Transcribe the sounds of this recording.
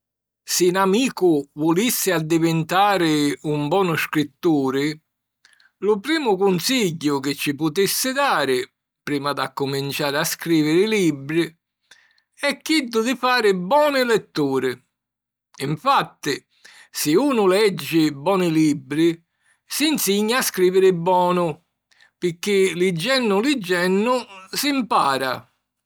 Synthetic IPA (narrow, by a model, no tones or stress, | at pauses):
sɪnamiːkʊvʊlisːɪad̪ːivɪnt̪aːɾɪumbɔːnʊskɾit̪ːuːɾɪ | lʊpɾiːmʊkʊnsiʎːʊk̟ɪt͡ʃːipʊt̪isːɪd̪aːɾɪ | pɾiːmad̪akːʊmint͡ʃaːɾɪaskɾiːvɪɾɪlibɾi | ɛkːid̪ːʊd̪ɪfaːɾɪbɔːnɪlɛt̪ːuːɾɪ | ɪɱfat̪ːɪ | sɪuːnʊlɛd͡ʒːɪbɔːnɪlibɾi | sinsiɲːaːskɾiːvɪɾɪbɔːnʊ | pɪk̟ːɪlid͡ʒːɛnːʊlid͡ʒːɛnːʊsimpaːɾa̰